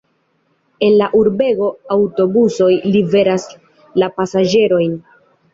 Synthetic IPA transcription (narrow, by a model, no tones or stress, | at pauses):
e̞nlaʔuɾbe̞ɡo̞awto̞buso̞jlive̞ɾas | lapasad͡ʒe̞ɾo̞jn